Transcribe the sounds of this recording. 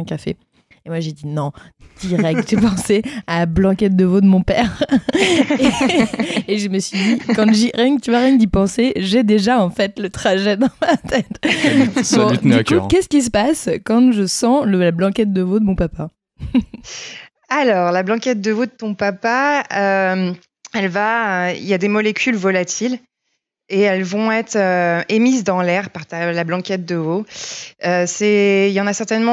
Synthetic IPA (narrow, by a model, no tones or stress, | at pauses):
ɛ̃kʲafḛ | emwaʒed̪inɔ̃t̪iʁɛt̪ɛpɑ̃sealablɑ̃kɛt̪̚d̪əvod̪əmɔ̃pɛːʁ | eʒəməsɥid̪ikɑ̃ʒiʁɛɲt̪yvaʁɛɲd̪ipɑ̃seʒɛd̪eʒaɑ̃fɛt̪lət̪χaʒɛd̪ɑ̃mat̪ɛt̪ | ɔ̃tnykkʲɛsə̥kʲis̬əpaskɑ̃ʒəsɑ̃ləlablɑ̃kʲɛt̪̚d̪əvod̪əmɔ̃papa | alɔːʁlablɑ̃kʲɛt̪̚d̪əvod̪ət̪ɔ̃papaøm | ɛlvaḭljad̪emɔlekʲʰylvɔlat̪ʰil | eɛlvɔ̃ɛt̪χøemizd̪ɑ̃lɛʁpaʁt̪alablɑ̃kʲɛt̪̚d̪əvo | øsɛiljɑ̃nasɛʁt̪ɛnmɑ̃